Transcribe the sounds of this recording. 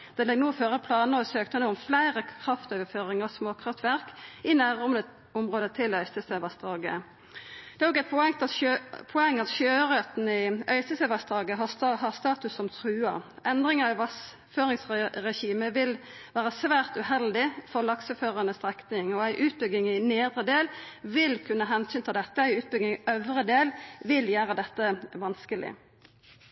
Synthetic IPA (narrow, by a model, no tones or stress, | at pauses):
d̪̥ɛlɛɡnuːføːʁəpʰlɑːnəɔsøːkt̪ənuːɔmflæɪʁəkʰʁɑft̪øːʋəføːʁɪŋɑsmoːkʰʁɑft̪ʋæʁkɪnæːʁɔnə | ʊmʁoːd̪ət̪ʰɪlœʏsəseʋɑst̪ʁɑːɡə̰ | d̪̥ɛʁɔkɡæpʰɛt̪ɑpʰɔɛŋːɑt̪ʃøːʁœt̪n̩ɪœʏsəsɛʋɑsd̪ʁɑːɡəɦɑhɑʁst̪ɑːt̪ʉsːɔmt̪ʰʁʉːɑ̰ | ɛnd̪ʁɪŋəɪʋɑs | føːʁɪŋsʁɛʃiːməʋɪl | ʋæːʁəsʋæːʁt̪ʉhɛld̪ɪfɔʁlɑksəføːʁɑnəst̪ʁɛknɪŋɔæɪʔʉːt̪̚bʏɡɪŋɪneːd̪ʁəd̪eːlʋɪlkʰʉnːəɦɛnsyːnt̪ʰɪld̪ɛt̪ːəæɪʉːt̪̚bʏɡ̪ɪŋœʋʁəd̪eːlʋɪljæːʁəd̪ɛt̪ːəʋɑnskəlɪ̰